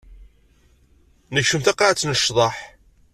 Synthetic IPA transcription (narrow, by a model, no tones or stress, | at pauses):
nəçʃəmθæqːaʕat͡sːnəʃðˤɑħ